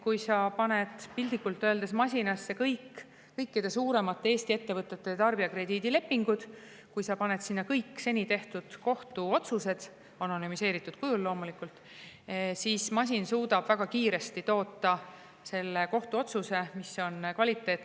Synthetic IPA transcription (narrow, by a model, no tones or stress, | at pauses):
kujsɑpɑne̞d̪pilʲd̪ikːult̪ːˑøeld̪esmɑsʲinɑsːe̞kɤjk | kɤjkːid̪̥e̞suːɾe̞mɑt̪ːˑe̞eːsʲt̪ie̞t̪ːe̞vɤt̪ːˑe̞t̪ːe̞t̪ɑrbiɑkre̞d̪iːd̪ile̞pːiŋɡ̥ud̪̥ | kujsɑpɑne̞t̪sinːɑkɤjkːˑse̞nʲit̪e̞ht̪ud̪̥ko̞ht̪uo̞t̪suse̞d̪̥ | ɑno̞nymise̞ːɾit̪ːˑud̪̥̚kujullːo̞ːmulikult̪ | siːsmɑs̬ʲinsuːd̪ɑb̥væɡ̥ɑkiːɾe̞st̪it̪o̞ːt̪ːˑɑ | se̞lːe̞ko̞ht̪uo̞t̪suse̞misːo̞nkvɑlʲit̪ːˑe̞ːt̪ːˑ